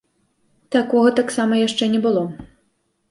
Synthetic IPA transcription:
t̪akɔɣɐt̪aksamɐjaʂt͡ʂɛnʲɛbɨlˠɔ

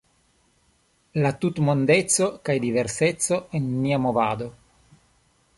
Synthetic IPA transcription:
lat̪ut̪mond̪et̪sokajd̪iveɾset̪soenmiamovaːd̪o

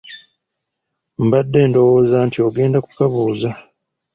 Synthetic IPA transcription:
m̩badːe̞ːndo̞wo̞ːzantʰio̞ɡe̞ːndaku̥kaβuːza

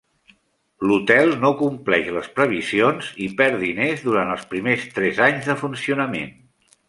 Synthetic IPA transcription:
lut̪ɛlˠnokumplɛʃləspɾəβ̞izionz̥ipɛɾðinezðuɾant̪əlˠspɾimest̪ɾɛzaɲzðəfunsiunəmḛn

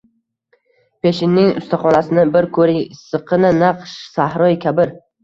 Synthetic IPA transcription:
pʰeʃɪnːɪŋʊ̰st̪ʰaχɒnasɪnɪbɪɾkʰɵɾɪŋsɨqʰɨnɪnɑqʃsahɾɒjkʲʰabɪɾ

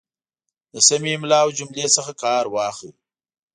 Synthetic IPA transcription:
d̪əsamimlɑwd͡ʒʊmlesəxakɑːɾwɑxḭ

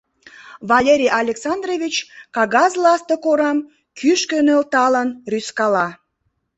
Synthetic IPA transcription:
vɑlʲeɾʲijɑlʲeksɑnd̪rovʲit͡ɕkɑɣɑzlɑst̪okoɾɑm | kʰyʃkønølt̪ɑlənryskɑlɑ

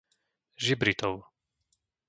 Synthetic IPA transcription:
ʒibɾit̪ɔʊ

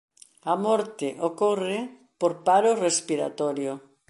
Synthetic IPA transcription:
amɔɾt̪ɪʔokore | poɾpaɾorespiɾa̰t̪ɔɾjo

